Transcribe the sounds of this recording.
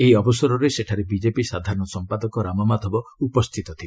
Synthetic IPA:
eiɔbɔsɔɾɔɾeseʈʰaɾebid͡ʒepisad̪ʱaɾɔɳɔsɔmpad̪ɔkɔɾamɔmad̪ʱɔbɔupɔst̪ʰit̪ɔt̪ʰie

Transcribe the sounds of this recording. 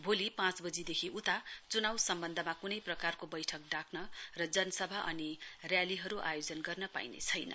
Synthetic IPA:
bʱolipãt͡sbʌd͡zid̪ekʰiʔut̪at͡sunawsʌmbʌnd̪ʱʌmakunʌjprʌkarkobʌjʈʰʌk̚ɖakʰnʌrʌd͡zʌnʌsʌbʱaʔʌ̰nirjaliɦʌɾuʔa̰jod͡zʌnɡʌrnʌpa̰jnḛt͡sʰʌjnʌ̰

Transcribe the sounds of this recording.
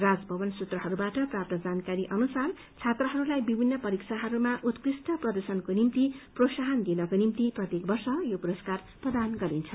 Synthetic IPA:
rad͡zbʱʌbʌnsut̪rʌɦʌɾubaʈʌprap̚t̪ʌd͡zankaɾiʔʌnusar | t͡sʰet̪rʌɦʌɾulajbibʱinːʌpʌɾiksʰaɦʌɾumaʔut̪krisʈʌprʌd̪ʌrsʌnkonimt̪iprosaɦʌnd̪inʌkonimt̪iprʌt̪jekbʌrsʌjopuɾʌskar | prʌd̪anɡʌɾint͡sʰʌ

